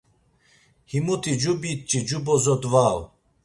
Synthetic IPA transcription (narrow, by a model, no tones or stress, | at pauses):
himut̪ʰid͡ʒubit̪̚t͡ʃʼid͡ʒubɔzɔd̪vaw